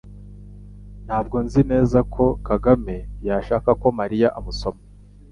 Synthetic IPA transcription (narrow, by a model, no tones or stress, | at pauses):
n̥haːb̚ɡo̞nzine̞ːzakʰo̞kaɡame̞jaʃaːkako̞maɾijaʔamuso̞ma